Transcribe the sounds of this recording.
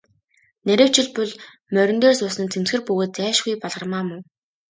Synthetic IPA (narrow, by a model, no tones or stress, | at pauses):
næɾʲɘ̆w̥t͡ɕɪ̆ɮpɵɮ | mœɾʲɪ̆nt̪oːsʊːsə̆nt͡sʰem̥t͡sxɘ̆rpɵɣoːt̪̚t͡sæːʃɡujpɔɮʁə̆rmaːmʊw